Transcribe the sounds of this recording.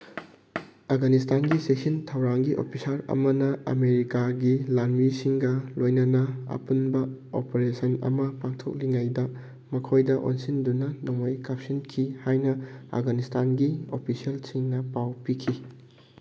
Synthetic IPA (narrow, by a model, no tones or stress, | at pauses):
afɡanistʰanɡiseksintʰɐwɾaŋɡiʔo̰pʰisaɾɐ̰mɐnɐɐ̰meɾikaɡilanmisiŋɡɐlojnɐnɐɐ̰punbɐ | opeɾesɐnɐ̰mɐpak̚tʰo̰k̚liŋajdɐ | mɐkʰojdɐʔo̰nsindunɐnoŋojkʰap̚sinkʰihajnɐa̰fɡanistʰanɡiopʰisiɐlsiŋnɐpawpikʰi